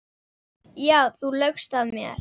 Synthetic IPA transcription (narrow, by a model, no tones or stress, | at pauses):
jaːwθulœkst̪aðmjɛ̰ɾ̥